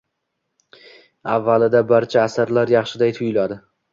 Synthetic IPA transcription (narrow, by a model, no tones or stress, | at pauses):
avːalɪd̪abaɾt͡ʃʰaːsaɾlaɾjɑχʃɪd̪ajt̪ʰʊjʊlad̪ɪ